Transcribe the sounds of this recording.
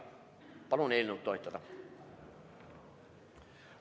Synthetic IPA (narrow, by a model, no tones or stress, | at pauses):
pɑlonelʲnut̪ːoit̪ːɑt̪ɑ